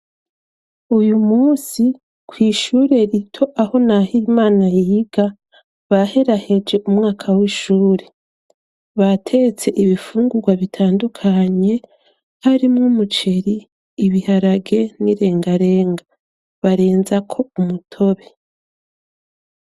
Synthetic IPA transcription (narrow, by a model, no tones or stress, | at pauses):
ujumuːsi | kwiːʃuːɾe̞ɾitʰo̞ʔaho̞nahimaːnajiːɡ̥a | βahe̞ɾahe̞d͡ʒe̞ʔumŋaːkʰawiːʃuːɾe̞ | βatʰe̞t͡se̞ʔiβifuːŋɡuɡwaβitʰaːndukʰaɲe̞ | haɾimŋumut͡ʃe̞ɾiː | βihaɾaɡe̞niɾe̞ːŋɡaɾe̞ːŋɡa | βaɾe̞ːnzakʰo̞umutʰo̞βe̞